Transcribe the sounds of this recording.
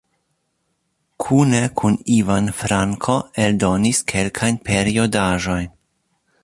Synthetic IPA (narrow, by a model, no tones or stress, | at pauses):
kʰune̞kʰunivanfɾaŋkʰo̞eldo̞niskʰe̞lkʰajnpe̞ɾio̞daʒo̞jn